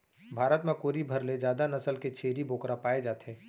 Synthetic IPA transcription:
bʱaːɾət̪mẽkoːɾibʱɐɾled͡ʒjaːd̪anɐsəlket͡ʃʰeːɾibʱoːkɾapaːed͡ʒaːt̪eɛː

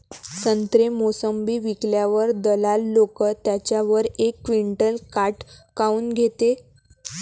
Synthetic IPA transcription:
sənt̪ɾemosəmbiːʋikljaʋəɾd̪əlalːokət̪jat͡ɕjaʋəɾekːʋiɳʈəlkaʈkauːnɡʱet̪e

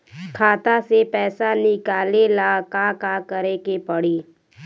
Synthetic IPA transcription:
kʰaːt̪asepɛːsanɪkaːlelakakakəɾekepəɽiː

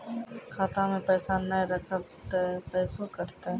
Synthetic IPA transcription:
kʰaːt̪ãmẽpɛːsanəɾəkʰət̪ɦpɛːsokəɾt̪aɦ

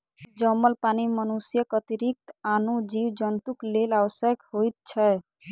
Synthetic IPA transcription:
d͡ʒəməlpanimənusjəkət̪iɾik̚t̪anud͡ʒiwd͡ʒənt̪uklelawəsjəkhojt̪̚t͡ʃʰɛ

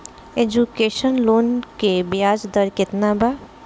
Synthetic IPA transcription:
eːd͡ʒukeːʃənloːnkebjaːd͡ʒd̪əɾkɪt̪nabaː

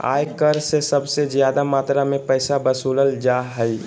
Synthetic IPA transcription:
a̰ːjkəɾsesɐbsezjaːd̪amaːt̪ɾamẽpɛːsabəsuːləld͡ʒaːɦəi

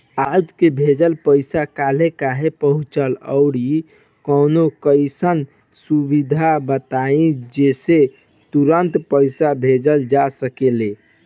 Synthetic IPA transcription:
ad͡ʒkebʱed͡ʒəlpəɪsakalekaɦepəɦut͡ʃələʊɽi | kənokəɪsən | subid̪ʱabət̪aĩd͡ʒese | t̪uɾənt̪pəɪsabʱed͡ʒəld͡ʒasəkele

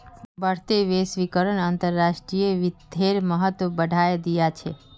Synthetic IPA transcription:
bəɽt̪eʋesʋikəɾəɳaːnt̪əɾːaʃʈɾijeʋid̪ʱeɾməɦət̪əbəɖʱajed̪ijat͡ʃʰe

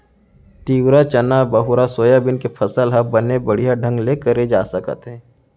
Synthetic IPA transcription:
t̪iːwɾat͡ʃənabəɦʊɾasoːjabɪnkepʰɐsəlɦɐbənebəɽ̤ijaɖʱə̃ŋɡlekəɾed͡ʒa̰ːsəkə̰t̪ɦɛ̃ː

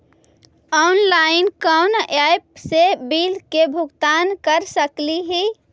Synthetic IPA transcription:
ɔʊnlainkənajp̚sebilkebʱuɡt̪ankəɾsəkliɦi

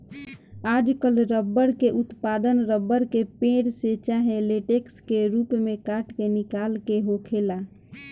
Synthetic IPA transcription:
aːd͡ʒkəlɾəbːəɾkeʔʊt̪paːd̪ənɾəbːəɾkepẽːɽset͡ʃaɦeleʈekskeɾuːpmẽkaːʈkenɪkaːlkeɦokʰeːla

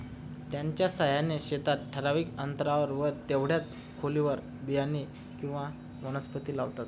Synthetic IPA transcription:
t̪jaɲt͡ɕjasaɦjaneɕet̪at̪̚ʈʰːəɾaʋiːkənt̪ɾaʋəɾʋəɾt̪eʋɽjat͡s | kʰoliʋəɾ | bijani | kĩw̃ʋa | mənəspət̪iːlaʋt̪at̪

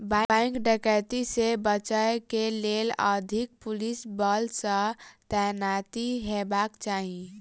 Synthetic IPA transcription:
babãŋkɖəkət̪isebət͡ʃaekeleləd̪ʱik̚pʊlisbəlsə̃t̪ɛjnat̪iɦebaːkt͡ʃaːɦi

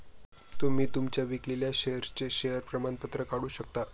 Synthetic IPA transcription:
t̪omiːt̪umt͡ɕjaʋikliljaɕeəɾt͡ɕeɕejəɾpɾəmanpət̪ɾəkaɽuːɕək̚t̪a

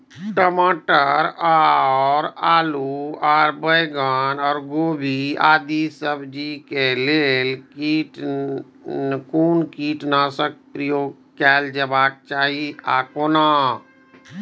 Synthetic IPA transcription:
ʈəmaːʈəɾaɔːɾaːluaːɾbəjɡaːnɔːɾɡoːbʱia̰ːd̪isəbd͡ʒikeleːlkiʈ | kuːnkiːʈnasək̚pɾijoːɡ | kɛːld͡ʒəbaːk̚t͡ʃaːɦia̰koːna

